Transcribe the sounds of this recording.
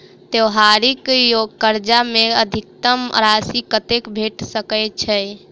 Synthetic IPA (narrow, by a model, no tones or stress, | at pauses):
t̪ewɦaɾikjokəɾd͡ʒameəd̪ʱik̚t̪əmɾasikət̪ekbʱeʈsəkəjt͡ʃʰɛ